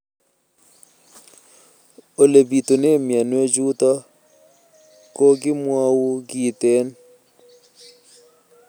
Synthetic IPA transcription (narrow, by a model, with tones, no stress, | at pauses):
o˨le˨bi˨t̪o˨ne˦mja˨nwo˦d͡ʒu˦t̪ɔ˦ | ko˦ɡɪ˦mwɔ˦wu˦ɡi˦˨t̪e˦n